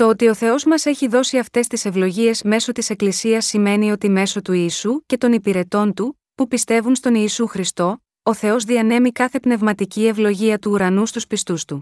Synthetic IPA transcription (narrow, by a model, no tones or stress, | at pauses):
t̪o̞ot̪io̞θe̞o̞zmɐse̞çiðo̞siɐft̪e̞st̪ise̞vlo̞ʝie̞zme̞so̞t̪ise̞klisiɐsːime̞nio̞t̪ime̞so̞t̪uiːsuce̞t̪o̞nipiɾe̞t̪o̞nt̪u | pupist̪e̞vunst̪o̞niːsuxɾist̪o̞ | oθe̞o̞zðiɐne̞mikɐθe̞pne̞vmɐt̪icie̞vlo̞ʝiɐt̪uːɾɐnust̪uspist̪ust̪u